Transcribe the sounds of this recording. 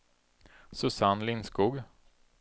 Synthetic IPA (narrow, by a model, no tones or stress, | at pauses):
sɵsanlɪnskuːɡ